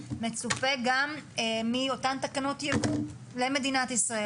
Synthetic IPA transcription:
me̞t͡supeɡammio̞tant̪akano̞t̪jebu | le̞me̞d̪inat̪isʁae

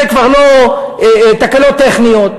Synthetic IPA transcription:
ekvaʁlo | t̪akalot̪ːeχnijot̪̚

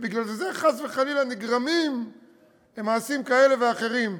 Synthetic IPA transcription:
biɡlalzeχazveχalilaniɡʁamim | lemaːsimkae̞le̞veaχe̞ʁim

